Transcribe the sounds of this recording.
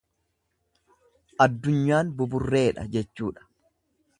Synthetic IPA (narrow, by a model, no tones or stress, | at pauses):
ʔɐd̪ːʊɲːaːnbʊbʊrːe̞ːᶑɐ̰d͡ʒɛt͡ʃːuːᶑɐ̥